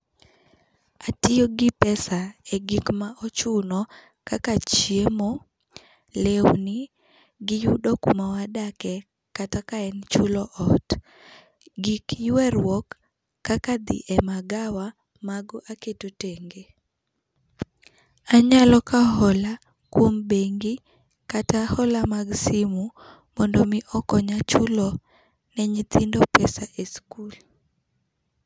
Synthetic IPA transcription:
atɪjoɡɪpɛsaɛɡikmaʔɔt͡ʃʊnɔ | kakat͡ʃjemo | lewni | ɡɪjudɔkumawadakɛ | katakaɛnt͡ʃulɔʔɔt | ɡikjwɛrwɔkː | akad̪ḭʔɛmaɡawa | maɡɔʔaketoteŋɡe | aɲalɔkaɦɔla | kwombeŋɡi | katahɔlamaɡsimu | mɔndɔmiʔɔkɔɲat͡ʃulɔ | nɛɲit̪ʰindɔpɛsaʔeskul

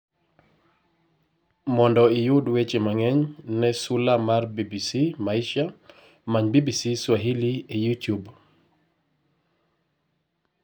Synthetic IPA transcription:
mɔndɔɪjʊdwet͡ʃemaŋɛɲnɛsulamarbibisimaiʃa | maɲbibisiswaɦiliejutjub

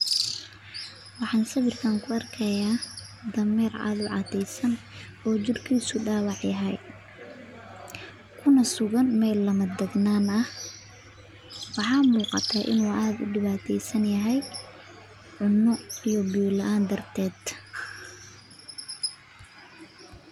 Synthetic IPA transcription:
wɑħɑːnsɐβɪrk̪ʰaŋkʰʊɐrkʰɐjaː | d̪ɐmɛːrʕa̰ːðʊʕɑ̰t̪ʰɛjsɐn | ɔːt͡ʃɪrkʰiːsʊɖaːwɑʕjɐɦɛj | kʰʊnɐsʊɣɐnmɛːlːɐmɐd̪ɐɡnaːnɐh | wɑħɑːmuːqɑ̰t̪ʰɐʔɪ̰nuːʔaːd̪ʊɖɪβaːt̪ʰɛjsɐnjɐɦɛj | ʕʊnːɔijɔbuːlɐʔaːnd̪ɐrt̪ʰɛːd̪

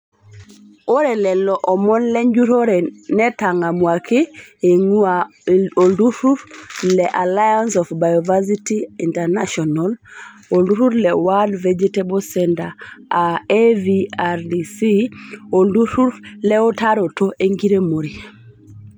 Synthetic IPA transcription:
oɾɛlɛlɔʔɔmɔnleɲd͡ʒuɾoɾenetaŋamuakeeŋua | oduɾuɾlɛʔalajansɔfbajovasitiinteɾnaʃɔnal | olduɾuɾlɛwadved͡ʒetebosɛntaaeviaɾdisionduɾuɾleotaɾotoʔeŋɡiɾemoɾi

